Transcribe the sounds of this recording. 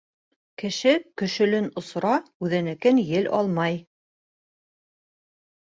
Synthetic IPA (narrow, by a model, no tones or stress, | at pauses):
kɘ̆ʃɘkɵ̆ʃɵ̆lɘnŏsɾɑʉðɘ̆nɘ̆kɘnjɘlʔɑ̰lˠmɑj